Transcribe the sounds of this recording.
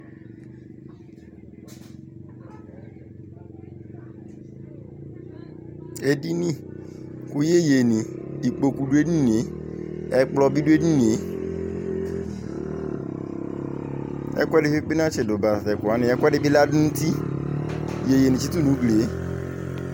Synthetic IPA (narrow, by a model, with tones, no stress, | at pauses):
e˦di˦nĩ˦ | ku˦je˦je˨nĩ˨i˨k͡po˨ku˨du˦e˦nĩ˦ni˨e˨˦ɛ˦k͡plɔ˦bi˦du˦e˦nĩ˦ni˨e˨˦ | ɛ̰˦kʷɛ˦dɪ˨˦fi˦k͡pi˦nã˦t͡ʃɪ˨dʊ˨ba˨a˨tɛ˨kʷa˨˦nɪ̃˨ɛ˦kʷɛ˦dɪ˦bi˦la˦dʊ˦nu˦ti˦˨ | je˨je˨nĩ˨t͡ʃi˦tu˦nũ˨˦ɡle˨e˦